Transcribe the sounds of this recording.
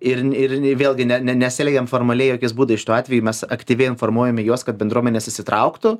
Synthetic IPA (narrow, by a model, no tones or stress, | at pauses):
ɪrɪrʋʲeːlˠɡʲɪnʲɛnʲɛnʲɛtsʲɪlʲɛɡʲɛmfoːrmɐlʲɛɪjoːkʲɪsbuːd̪ɐɪʃʲɪt̪uːɑːt̪ʲʋʲɛjuːmʲɛsɐkt̪ʲiːʋʲɛɪɪnformuɔjɛmʲɪjuɔskɐt̪̚bʲɛnd̪ɾuɔmɛnʲeːsɪʃʲsʲɪt̪ɾɐʊkt̪ʊ